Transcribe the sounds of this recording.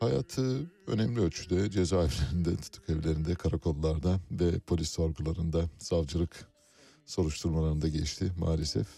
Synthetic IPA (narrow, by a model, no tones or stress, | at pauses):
haja̰ːt̪ʰɯø̞̰nɛmlʲiølʲt͡ʃʰyd̪ɛd͡ʒezaːɛvlʲeɾind̪ɛt̪ʰu̥t̪ʰːu̥kevlʲeɾind̪ɛkʰaɾakʰo̞lˠːaɾd̪avɛpʰo̞lʲisoɾɡulˠaɾɯnd̪az̥avd͡ʒɯlˠɯk | so̞ɾuʃt̪ʰuɾmalˠaɾɯnd̪aɟelʲiʃt̪ʰɪma̰ːlʲesɛ̰f